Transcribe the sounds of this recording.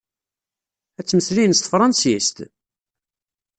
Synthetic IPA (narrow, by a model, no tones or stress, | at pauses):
æt͡sːməslijnst̪ə̥fɾˤɑnsist̪